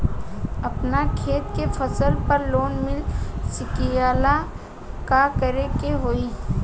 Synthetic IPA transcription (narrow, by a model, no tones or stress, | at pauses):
ɐpnakʰeːt̪kefʰəsəlpəɾloːnmɪlsɪkijaːla | kakəɾekeɦoːi